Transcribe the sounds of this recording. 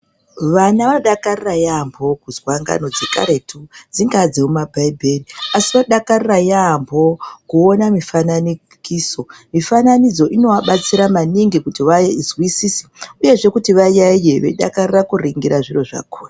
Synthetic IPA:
ʋanaʋaoɗakarirajambʱo̞kuzwaŋɡa̰no̞d͡zeka̰ɾe̞tʰud͡ziŋɡad͡zeumabʱaibʱeriasiʋaɗakarirajambʱo̞kuonamifanani | kiːso̞mifananid͡zo̞ʔino̞ʋaɓat͡siɾamaniŋɡikutiʋajeizwisiːsi̥uje̞ʐe̞kutiʋajaijeʋe̞̰ɗa̰karirakuriŋɡiɾaʐiro̞ʐa̰kʰoːra

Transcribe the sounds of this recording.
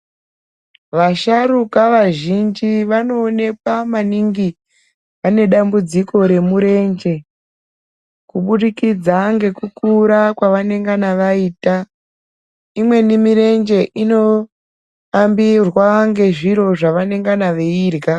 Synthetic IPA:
ʋaʃarukaʋaʒind͡ʒiʋano̞ːne̞kwamaniŋɡi | ʋane̞ɗambud͡ziko̞ɾe̞muɾe̞nd͡ʒe̞ | kuɓuɗikid͡zaŋɡe̞kukuɾakwaʋane̞ŋɡanaʋaiːta | imwe̞nimiɾe̞nd͡ʒe̞ʔino̞ | ambirwaŋɡe̞ʐiɾo̞ʐaʋane̞ŋɡanaʋeiːrɡa

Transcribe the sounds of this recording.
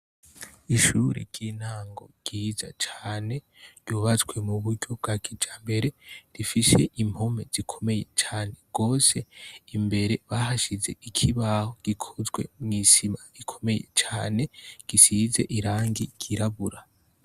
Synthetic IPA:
iʃuɾḭɾɟin̥haːŋɡo̞̰ɡ̥iːzat͡ʃaːne̞ | ɾɟ̥uːβat͡sɡwe̞muβuɾɟo̞b̚ɡakʰid͡ʒaːmbe̞ɾe̞ɾifise̞ʔim̥home̞z̥ikʰo̞me̞je̞t͡ʃaːne̞ɡ̥o̞ːse̞imbe̞ɾe̞βahaʃize̞ʔikʰiβahoɡ̥ikʰozɡwe̞̰mŋiːsimaikʰo̞̥me̞je̞̰t͡ʃaːne̞ɡ̥isize̞ʔiɾaːŋɡiɡ̥iɾaβuɾa

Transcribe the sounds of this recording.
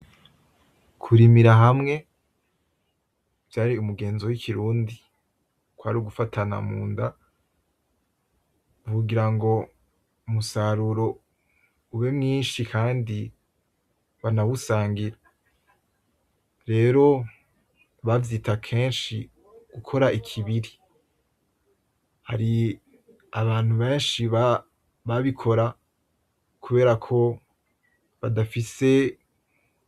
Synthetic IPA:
kʰuɾimiɾaɦamŋe̞ | v̥jaːɾiumuɡe̞ːnzo̞wikʰiɾuːndi | kwaɾiuɡufatʰana̰mṵːnda | uɡiɾaŋɡo̞ | umusaɾuɾo̞ | uβemŋiːnʃikʰaːndi | βanawusaːŋɡiɾa | ɾe̞ːɾo̞ | βavjiːtʰakʰe̞ːnʃi | ɡ̥ukʰo̞ɾaʔikʰiβiɾi | ha̰ɾi | aβaːn̥huβe̞ːnʃiβa | βaβikʰo̞ɾa | kʰuβe̞ːɾakʰo̞ | βadafise̞

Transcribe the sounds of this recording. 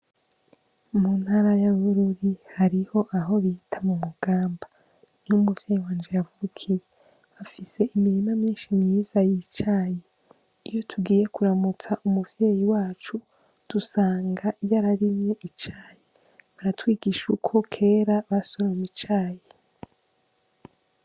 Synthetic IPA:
mun̥haɾajaβuɾuɾihaɾiho̞ʔaɦo̞βitʰamumuɡ̥aːmba | numuvjejiwaːnd͡ʒejavuukʰije | βafise̞ʔimiɾimamɲiːnʃimɲiːz̥ajit͡ʃaːje | ijo̞tʰuɡiːje̞kuɾamut͡saʔumuvjeːjiwaːt͡ʃu | d̥usaːŋɡaijaɾaɾimɲe̞ʔit͡ʃaːje | βaɾatwiːɡiʃukʰo̞kʰe̞ːɾaβasoɾamit͡ʃaːje

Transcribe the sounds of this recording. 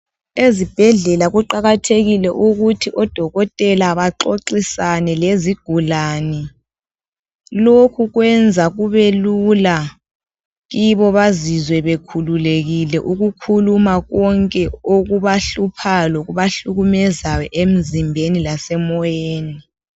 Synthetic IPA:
ezib̥ʱɛɮɛlaɣuǃaɣatʰeɣilɛʔuɣutʰiʔɔd̥ʱɔɣɔtʼɛlaβaǃoǃisanɛleziɡ̥ʱulani | lokʰuɣwɛnd͡zʱaɣuβelula | ɣiβɔβazizwɛβekʰululeɣilɛʔuɣukʰulumaɣɔŋkʼɛoɣuβaɬupʰalɔɣuβaɬuɣumɛzajɔʔem̩zimbʱenilasɛmɔjeːni

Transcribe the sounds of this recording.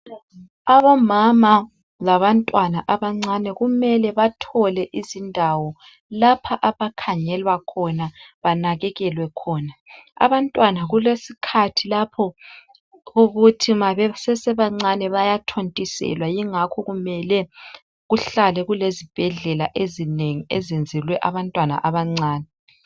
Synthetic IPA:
aβɔmama | laβantʼwanaʔaβaŋ͡ǀanɛɣumɛlɛβatʰɔlɛʔizindʱawɔ | lapʰaʔaβakʰaɲɛlwakʰɔnaβanaɣɛɣɛlwɛkʰɔːnaa̰βantʼwanaɣulesikʰatʰilapʰɔ | ɣoɣutʰimaβɛsɛsɛβaŋ͡ǀanɛβajatʰontʼisɛ̰lwajiŋakʰɔɣumɛlɛ | ɣuɬalɛɣulezib̥ʱɛɮɛlaʔezineŋiezend͡zʱilwɛʔaβantʼwana̰ʔaβaŋ͡ǀaːnɛ

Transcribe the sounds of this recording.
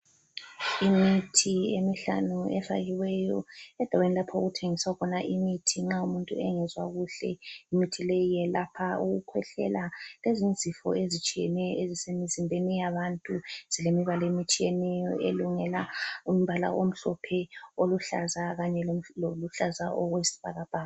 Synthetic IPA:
imitʰiemiɬa̰nuɛfa̰ɣiwɛjɔ̰ɛd̥ʱawenilapʰauɣutʰeŋisaɣʰɔnaʔimitʰiŋ͡ǁaumuntʼṵɛŋɛzwaɣuɬɛ̰imitʰilejijɛlapʰauɣukʰwɛɬɛ̰lalezind͡zʱifɔ̰ezit͡ʃʼijɛ̰nɛjɔezisemizimbʱenijaβantʼuz̥ilemiβalɔjemit͡ʃʼijɛnɛjɔeluŋɛlaum̩βala̰ʔom̩ɬɔpʰɛoluɬa̰zaɣaɲɛloluɬaza̰ʔɔɣwesi̥β̥ʱaɣab̥ʱaːa

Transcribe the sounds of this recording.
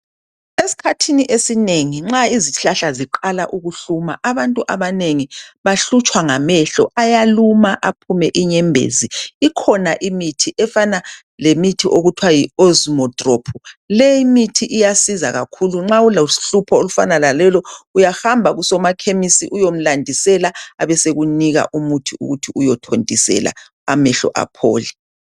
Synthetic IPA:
esi̥kʰatʰiniʔesineŋiŋ͡ǁaiziɬaɬaziǃalaʔuɣuɬumaʔaβantʼuʔaβaneŋiβaɬut͡ʃʼwaŋamɛɬɔ̰ʔajalumaʔapʰumɛʔiɲɛmbʱḛziikʰɔnaʔimitʰiʔɛfana | lemitʰiʔoɣutʰwajiozumɔtʼropʰulɛjimitʰiʔijasizaɣakʰuluŋ͡ǁaulaɬupʰɔolufa̰nalalɛlɔujahambʱaɣusɔmakʰemisḭʔujom̩landʱisɛlaaβɛseɣuniɣa̰ʔumutʰiṵɣutʰiujɔtʰondʱʼisɛ̰la̰ | a̰mɛɬɔ̰ʔa̰pʰo̰ːlɛ

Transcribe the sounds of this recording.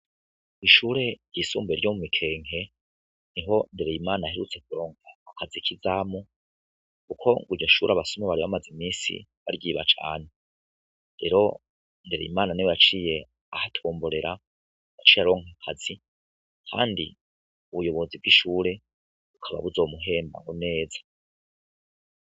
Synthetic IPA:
iʃuːɾe̞jisṵːmbeɾjo̞mumikʰe̞ːŋhe̞ | niɦo̞ndeɾejimaːnaheɾut͡se̞k̚uɾo̞ːŋaakʰazikʰizamu | kukʰo̞ŋɡuɾɟoʃuːɾaβasomeβaɾiβamazimiːsḭβa̰ɾjiːβa̰t͡ʃa̰ːne | ɾe̞ɾo̞̰ | ndeɾejḭmaːnaniwejat͡ʃiːje̞ | ahatʰoːmboɾeɾa | jat͡ʃiːjaɾo̞ːŋakʰazi | kʰa̰ːndi | uβujo̞βo̞ziβɡiʃuːɾe̞ | ukʰaβa̰βuzo̞ːmuɦe̞ːmba̰ŋɡone̞ːzḁ

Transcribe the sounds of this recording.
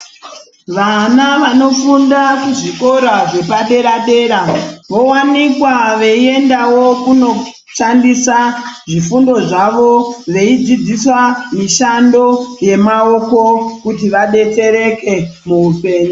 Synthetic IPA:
ʋanaʋano̞fundakuʐiko̞ɾaʐe̞paɗe̞ɾaɗe̞ɾaʋo̞wanikwaʋe̞ie̞ndawo̞kuno̞ | ʂandisaʐifundo̞ʐaʋo̞ʋe̞id͡zid͡ziswamiʃando̞je̞mao̞ko̞kutiʋaɗe̞te̞ɾe̞ke̞muupe̞ːɲu

